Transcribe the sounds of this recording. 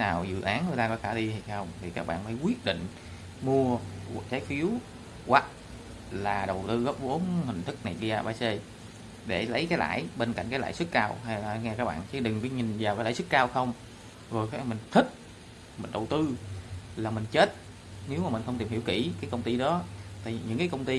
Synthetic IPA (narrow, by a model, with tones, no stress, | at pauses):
naː˨˩wzɨ̰˧˨ʔaː˨˦nŋɨ˨˩jt̪aː˧kɔ˨˦xaː˧˩ɗi˧h̪ʰi˨˧˩jxə˧wŋ͡mt̪ʰi˨˩kaː˦˥k̚ɓa̰ː˧˨nməː˨˦jkwi˦˥ət̚ɗḭ̈˧˨ŋ̟ | mu˧ə˨t͡ɕaː˨˦jfi˨˦əw | ɣwa˨˩t̚ | laː˨˩ɗə˨˩wt̪ɨ˧ɣə˦˥p̚vo˨˦nhï˨˩ŋ̟t̪ʰɨ˦˥k̚na˨˩jɗi˧aː˧˩ɓaː˧se˧ | ɗe˧˩lə˨˦jkaː˨˦jla̰ː˧˩jɓe˧nka̰˧˩jŋ̟kːaː˨˦la̰ː˧˦jsɨ˦˥k̚kaː˧wha˧ja˨˧ŋɛ˧kaː˦˥k̚ɓaː˧˨nt͡ɕi˨˧˦ɗɨ˨˩ŋkːɲi˨˩nzaː˨˩wkaː˨˧˦laː˧˦sɨ˦˥k̚kaː˧wxə˧wŋ͡m | zo˨˩jka˨˦mï˨˩ŋ̟t̪ʰï˦˥k̚ | mï˨˩ŋ̟ɗə˨˩wt̪ɨ˧laː˨˩mï˨˩ŋ̟t͡ɕe˦˥t̚ | ne˨˦wmaː˨˩mi˨˩ŋ̟xə˧wŋ͡mt̪i˨˩mhi˧˩əwkḭ˧˩kaː˨˦jkə˧wŋ͡mt̪i˧ɗɔ˨˦t̪a̰ː˧˨˩ɲɨ̰˧˥ŋkaː˨˦jkə˧wŋ͡mt̪i˧